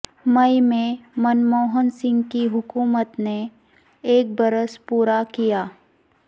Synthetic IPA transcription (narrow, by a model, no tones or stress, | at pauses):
mɐimẽmənmoːɦənsɪ̃ŋɡkiɦʊkuːmət̪ne | eːk̚bɐɾəspuːɾakijaː